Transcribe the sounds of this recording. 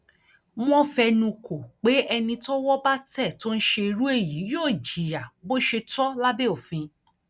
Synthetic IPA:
w̃ɔ̃˦fɛ˧nũ˧˨ko˨k͡pe˨˦ɛ˧nĩ˧tɔ˦wɔ˦ba˦tɛ˦˨to˦n̩˦ʃe˧ɾu˦e˦˨ji˨˦joː˦˨d͡ʒi˨ja˨bo˦ʃe˧tɔ˦la˦be˦o˦˨fĩ˧

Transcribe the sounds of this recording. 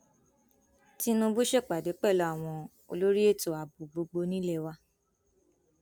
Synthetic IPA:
ti˧nũ˧bu˦ʃɛ˦˨k͡pa˨de˨˦k͡pɛ˦˨lɔ˨˦a˨w̃ɔ̃˧ | o̰˧lo˦ɾi˦e˦˨to˨a˨bu˨ɡ͡bo˧ɡ͡bo˧nĩ˦le˦˨wa˧

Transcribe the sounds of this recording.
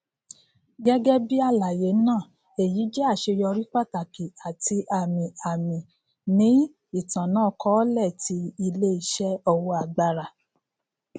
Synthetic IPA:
ɡɛ˦ɡɛ˦bi˦a˧˨la˨je˨˦nãː˦˨ | e˨ji˨˦d͡ʒɛ˦a˦˨ʃe˧jɔ˧ɾi˦k͡pa˦˨ta˨ki˨a˨ti˧˦ʔa˨mĩ˨a˨mĩ˨ | nĩ˦ | i˦˨tã˨nãː˦˨kɔ˨˦lɛ˦˨tʰi˧˦i˧le˦i˦ʃɛ˦ɔ˧wo˧a˨ɡ͡ba˧ɾa˧˨

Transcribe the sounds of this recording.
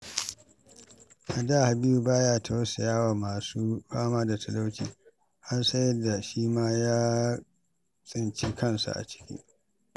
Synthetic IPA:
ha˨daː˦˨ha˨biː˦bu˨baː˦jaː˦tʰa˨wɐ˦sa˨jaː˦waː˨maː˨suː˦ɸaː˦maː˦da˨tɐ˨la˦wt͡ʃiː˨ | hʔa˦nsɐ˦jɐ˦da˨ʃiː˦maː˦jaː˦ | sʼɪ˨nt͡ʃi˦kɐ˦˨nsa̰˨ʔa̰˨t͡ʃɪ̥˦kʲḭ˦

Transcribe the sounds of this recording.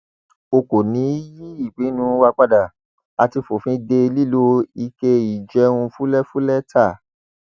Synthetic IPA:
o˧ko˨nĩ˨˦ji˦i˦˨ɡ͡bĩ˨˦nũ˧˦wa˧k͡pa˦da˨ | a˧ti˧fo˨fĩ˦de˧li˦˨lo˧˦i˧ke˧i˨d͡ʒɛ˨˦ũ˧fu˦lɛ˦fu˦lɛ˦ta˦˨

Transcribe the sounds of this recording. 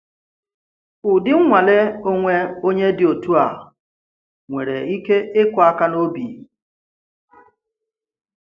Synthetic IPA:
u˨dɪ˦ŋ̩˦ŋʷa˨le˦o˦ŋʷe˦o˦ɲe˦dɪ˨o˨tu˦a˨ | ŋʷe˨ɾe˨i˦ke˦ɪ˦kʷʊ˨a˦ka˦no˦bḭː˨

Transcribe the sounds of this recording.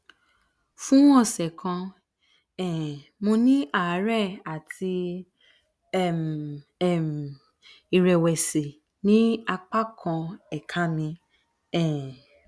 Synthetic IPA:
fũ˦wɔ̃˦˨sɛ˨kʰɔ̃˧ | ɛ̃˦˨mõ˧nĩ˦a˦˨˦ɾɛ˦˨a˨tʰi˧ | ɛ˦˨ɛ˦˨m˨ | i˨ɾɛ˨wɛ˨se˨ | nĩ˦a˧k͡pa˦kʰɔ̃˧ɛ˨kʰã˦mĩ˧ | ɛ̃˦˨

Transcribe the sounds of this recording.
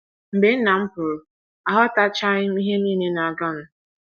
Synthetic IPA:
m̩˨be˨˦n̩˦na˨m̩˦pʊ˨ɾʊ˨ | a˨ɦɔ˦ta˦t͡ʃa˦ɪ˦m̩˦i˦ɦe˦niː˦ne˦na˨a˨ɡa˦n̩˦

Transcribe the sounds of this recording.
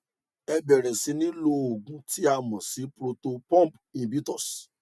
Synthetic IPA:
ɛ˧bɛ˨ɾɛ˨si˨˧nĩ˦lo˦o˨ɡũ˦ti˦a˦˨mɔ̃˨si˨˦pɾo˧to˧pɔ̃˦˨p | ĩ˨bi˦tɔ˦˨s

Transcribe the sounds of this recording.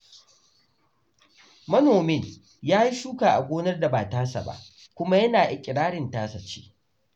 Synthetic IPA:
mɐ˦noː˨mɪ˦n | jaː˦ji˦ʃuː˦kaː˨ʔa̰˨ɡʷoː˦nɐ˦rda˨baː˨taː˦sa̰˨ba̰˦˨ʔ | kʷʊ˦ma˦jɐ˦naː˨ʔɪ˦kʲʼɪ˨ɽaː˦ɽɪ˨ntaː˦sɐ˨t͡ʃiː˦

